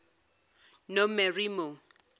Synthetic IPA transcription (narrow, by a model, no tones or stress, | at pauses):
nomɛrimo